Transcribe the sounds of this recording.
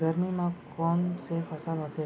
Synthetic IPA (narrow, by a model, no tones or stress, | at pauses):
ɡəɾmimãkɔɳsefəsalɦət̪ʰe